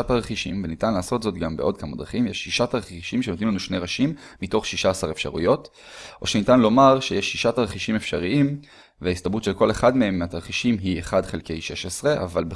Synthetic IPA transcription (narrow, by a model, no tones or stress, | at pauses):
ataʁeχiʃimvenitanlaːso̞tzo̞tɡambeo̞dkamad̪ʁaχimjeʃːiʃataʁeiʃimʃenotnimlanuʃne̞ʁaʃimːito̞χʃiʃaːsaʁefʃa̰ʁṵjo̞t | ʔo̞ʃenitanlo̞maʁʃejeʃːiʃataʁeχiʃimefʃa̰ʁiim | veaist̪abutʃelko̞leχadmehe̞mːeat̪aʁχiʃimɦieχadχelke̞jʃe̞ʃesʁe̞ʔa̰valbe